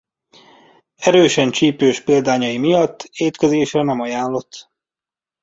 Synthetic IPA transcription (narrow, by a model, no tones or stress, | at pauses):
ɛɾøːʃɛnt͡ʃiːpøːʃpild̪aːɲɒjimijɒt̪ːeːt̪kɛzeːʃrɛnɛmɒjaːnlo̞t̪ː